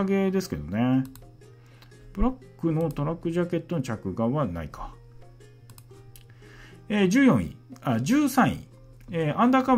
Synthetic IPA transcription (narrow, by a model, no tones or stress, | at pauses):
ɡe̞d̪e̞sɨ̥ke̞̰d̪o̞̰ne | pɯ̟ɾakːɯ̟no̞t̪o̞ɾakːɯ̟ʑake̞t̪ːo̞no̞t͡ɕakɯ̟ɡaβana̰ikʰḁ | eːd͡ʑɨːjõ̞ḭ̃ad͡ʑɨːsãɰ̃ḭ̃ | eʔãnd̪aka